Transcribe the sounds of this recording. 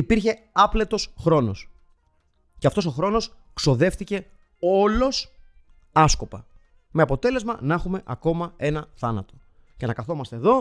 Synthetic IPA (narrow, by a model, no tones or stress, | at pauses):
ipiɾçe̞ | ɐple̞t̪o̞sxɾo̞no̞s | ceɐft̪oso̞xɾo̞no̞s | kso̞ðe̞fθice̞ | o̞lo̞s | ɐsko̞pɐ | me̞ɐpo̞t̪e̞le̞zmɐnɐxume̞ʔɐko̞mɐe̞nɐθɐnɐ̰t̪o̞ | ce̞nɐkɐθo̞mɐst̪e̞ːðo̞